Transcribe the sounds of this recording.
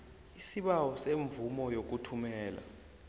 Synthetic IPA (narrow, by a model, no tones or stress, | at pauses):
isiɓawɔseɱvumɔjok̬utʰumɛːla̰